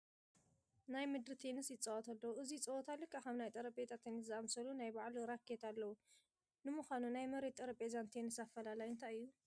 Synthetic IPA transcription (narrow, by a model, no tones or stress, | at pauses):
najmɨd̪ɾɨt̪ʰenɨsjɪt͡sʼɐwɔt̪ʰalːɐwuʔɨzijt͡sʼɐwɔt̪ʰalːikʰʼaxɐmnajt̪ʼɐɾɐpʼet̪ʰat̪ʰːenɨs̬zɨʔamsɐlunajbaʕluɾakʰːet̪ʰalːɐwu | nɨmɨxʷanunajmɐɾet̪ʼɐɾɐpʼezant̪ʰenɨsafːɐlalajɨnt̪ʰajɨjːu